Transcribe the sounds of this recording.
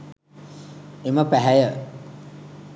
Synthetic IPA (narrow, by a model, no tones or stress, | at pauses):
eməpæɦæjə